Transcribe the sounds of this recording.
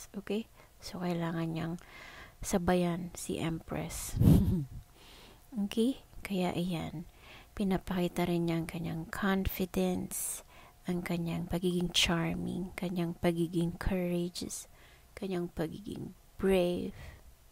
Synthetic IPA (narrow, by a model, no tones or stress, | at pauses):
ʔoːkɛj | so̞kɐjlaːŋɐnɲaŋsɐbajansḭʔɛ̰mpɹɛ̰s | kɛkɐja̰ʔɪja̰npɪnɐpɐkiːt̪ɐɾɪnɲaʔɐŋkɐɲaŋkʰonfɪd̪ɛns | ʔɐŋkɐɲaŋpɐɡiːɡɪŋt͡ʃaɹmɪ̰ŋkɐɲaŋpɐɡiːɡɪŋkʰɐɹɛd͡ʒs | kɐɲaŋpɐɡḭːɡɪ̰ŋ | b̥ɹɛv